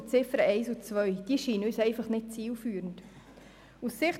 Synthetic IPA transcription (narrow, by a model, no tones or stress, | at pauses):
t͡sɪfəɾəɛɪsut͡sʋœʏd̥iːʃiːnəyːsɛɪfɑχnɪt̚t͡siːlfyːɾənd | usːɪχt